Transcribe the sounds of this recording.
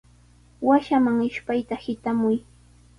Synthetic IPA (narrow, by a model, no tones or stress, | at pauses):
waʃamaŋɪʃpajt̪ahɪt̪amʊj